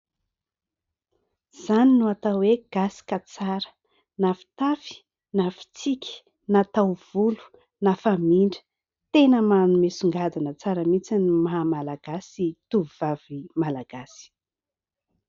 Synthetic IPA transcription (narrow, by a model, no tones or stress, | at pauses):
z̥aninuat̪aweɡ̥asi̥kat͡saɾə̥ | nafi̥t̪afi̥ | nafi̥t͡sikʲi̥ | nat̪awv̥ulu̥ | nafamiɳɖ͡ʐə̥ | t̪enəmanumesuŋɡad̪unət͡saɾəmit͡sinimaɦmalaɡ̥asit̪uvav̥imalaɡ̥asi̥